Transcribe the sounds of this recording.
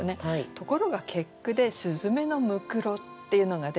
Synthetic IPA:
ne̞at̪o̞ko̞ɾo̞ɡakʰe̞kːɯ̟d̪e̞ɕɨzɨme̞no̞mɯ̟kɯ̟ɾo̞t̪ːe̞jɯ̟no̞ɡad̪e

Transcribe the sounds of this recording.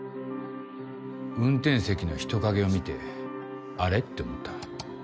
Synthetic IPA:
ɯ̟̃nt̪ẽ̞ɰ̃se̞kʲino̞çi̥t̪o̞kaɡe̞o̞mʲit̪e̞̰ | aɾe̞t̪ːe̞omot̪ːḁ

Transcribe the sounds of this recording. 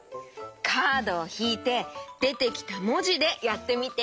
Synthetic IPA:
kʰaːd̪o̞ːçiːt̪e̞d̪̥e̞t̪e̞kʲi̥t̪amo̞ʑid̪e̞jat̪ːe̞mʲit̪e

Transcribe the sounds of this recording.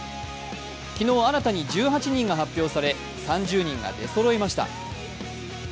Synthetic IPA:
kʲino̞ːaɾat̪aɲ̟id͡ʑɨːɦat͡ɕiɲ̟ĩŋɡaɦapʲːjo̞ːsaɾe̞ | sãɲd͡ʑɨːɲ̟ĩŋɡa̰d̪e̞so̞ɾo̞imaɕi̥t̪a̰

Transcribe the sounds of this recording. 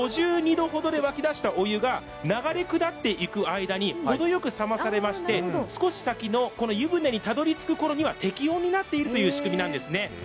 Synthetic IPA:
oʑɨːɲ̟id̪o̞ɦo̞d̪o̞d̪e̞βakʲid̪aɕi̥t̪ao̞jɯ̟ɡa | naɡaɾe̞kɯ̟d̪at̪ːe̞ʔikɯ̟aid̪aɲ̟iho̞d̪o̞jo̞kɯ̟samasaɾe̞maɕi̥t̪e̞sɨ̥ko̞ɕi̥sakʲino̞ko̞no̞jɯ̟bɯ̟̃nːeɲ̟it̪ad̪o̞ɾʲit͡sɨ̥kɯ̟ko̞ɾo̞ɲ̟iβat̪e̞kʲijõ̞ɲ̟ːinat̪ːe̞iɾɯ̟t̪o̞jɯ̟ːɕi̥kɯ̟mʲinãnd̪e̞sɨne̞

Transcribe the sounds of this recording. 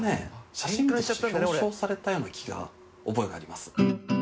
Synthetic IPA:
neɕaɕĩŋɡt̪ːso̞ːsaɾe̞t̪ajo̞ːnakʲʰiɡa̰ | o̞bo̞eɡa̰ːɾʲimasɨ̥

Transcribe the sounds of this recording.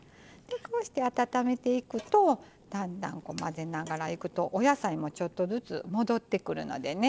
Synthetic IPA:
d̪̥e̞ko̞ːɕi̥t̪e̞at̪at̪ame̞t̪e̞ikɯ̟t̪o̞ | d̪̥ãnd̪ã̰ŋko̞̰maze̞naɡaɾaikɯ̟t̪o̞ʔojasaimo̞t͡ɕo̞t̪ːo̞zɨt͡sɨ̰mo̞d̪o̞t̪ːe̞kɯ̟ɾɯ̟no̞̰d̪e̞ne̞

